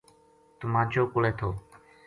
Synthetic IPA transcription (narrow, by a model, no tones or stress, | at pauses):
t̪ʊmãːt͡ʃoːkʊleːt̪ʰoː